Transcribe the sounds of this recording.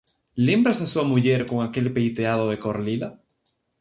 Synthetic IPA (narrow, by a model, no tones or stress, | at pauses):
le̞mbɾasasuamuʝe̞ɾko̞ŋake̞lpejt̪eað̞o̞ð̞e̞ko̞ɾlila